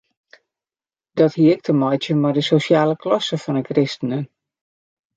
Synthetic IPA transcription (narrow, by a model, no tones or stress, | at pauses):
d̥ɔthiːəɪk̚tʰəmɔjtjəmɔdəsosjaːləklɔsəfɔnəkrɪstənən